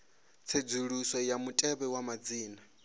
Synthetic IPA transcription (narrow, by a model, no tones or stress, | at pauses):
t͡sʰed͡zuɺusɔjamutʼɛβɛwamad͡ziːna